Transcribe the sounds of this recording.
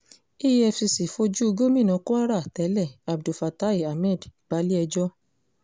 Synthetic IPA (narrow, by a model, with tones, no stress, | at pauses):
i˦jɛ˧fi˧si˨fo˧d͡ʒu˦o˧ɡo˦mĩ˦˨nã˧ko˦a˦ɾa˦˨tɛ˨˦lɛ˦˨a˨bdu˨fa˨ta˦i˦˨a˨mɛ̃˦˨dɡ͡ba˨˦li˦ɛ˧d͡ʒɔ˦